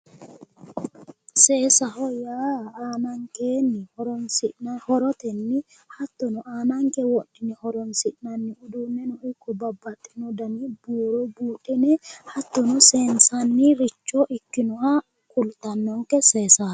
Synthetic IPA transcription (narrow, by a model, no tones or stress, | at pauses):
seːsɐhɔjaːaːnɐŋkeːnːɪhɔɾɔnsɪʔnhɔɾɔt̪ɛnːɪ | hɐt̪ːɔnɔʔaːnɐŋkɛwɔᶑːɪnɛhɔɾɔnsɪʔnɐnːɪʊd̪ʊmːɛnɔɪkːɔbɐbːɐt̪ʼːɪnɔd̪ɐnibuːɾɔjbuːᶑɪnɛhɐt̪ːɔnɔseːnsɐnːɪɾɪt͡ʃːɔːʔɪkːɪnɔha | kʊlt̪ɐnːɔŋkɛseːsa